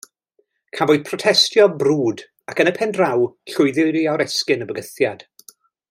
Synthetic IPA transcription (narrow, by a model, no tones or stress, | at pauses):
kʰavoɨð̥pʰrɔtʰɛstjɔbruːd | akənəpʰɛndrawɬʊɨðɪɾiaɾɛskɨnəbəɡəθjad̥